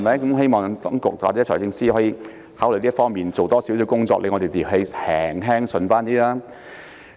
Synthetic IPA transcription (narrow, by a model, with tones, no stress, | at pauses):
mɐ˨˦jkʊ˦˥mɦe˥jmɔː˨˩ŋt̪ɔː˨˥ŋkʊ̰˨k̚wa̰ː˨˩t͡sɛ˨˦˥ɔː˨˩jt͡sɪ˧ŋsiː˥hɔː˨˥jiː˧ | haː˨˥wlɵ˨˩jliː˥fɔː˥ŋmiː˨nt͡so˨wt̪ɔː˥si˨˥ws̬i˨˧wkʊ˥ŋt͡sɔː˧k̚le˨˧ŋɔː˨˧te˨jt̪iː˨˩ɦe˨˧˥hɛː˨˩ŋɦɛː˥ŋsɵ˨˧nfaː˥nt̪iː˥laː˥